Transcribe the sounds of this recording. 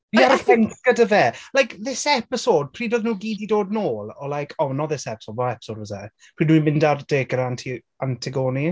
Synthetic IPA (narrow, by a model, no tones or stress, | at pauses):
iaɾɪɛnɡ̥ədəvɛːlajkðɪsɛpɪsod̥̚pʰr̥iːdoðnuːɡiːdidoːdnoːlˠɔlajkʰɔnɔðɪsɛpɪ̥soːd̚vɔɛpɪ̥soːdwəzɛ | priːdnwimɪ̃ndard̥eːɡəɾantʰi | antʰɪɡoːni